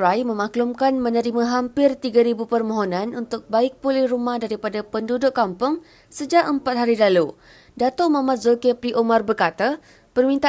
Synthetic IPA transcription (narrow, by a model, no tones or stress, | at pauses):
ɾajmə̃mãklumkanmə̃nəɾimãɦampɪrt̪iɡaɾibupərmõɦonãnunt̪ʊk̚baɪk̚pulɪhrumahdaɾipadapəndudʊʔkːampʊŋ | səd͡ʒaʔəmpat̪̚ɦaɾilalu | dat̪ʊʔmamat̪̚zokepɾiʔomarbərkat̪a | pərmĩnt̪a